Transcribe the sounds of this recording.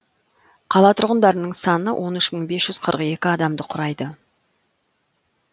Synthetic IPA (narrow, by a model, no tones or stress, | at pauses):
qʰɑlˠɑt̪ʰʊɾʁənd̪ɑɾənəɴsɑnəwʔo̞nʏʃməɴbe̞sʒ̥ʏzqʰəɾʔəqe̞kʲɪɑd̪ɑmd̪əqʰʊɾɑjd̪ə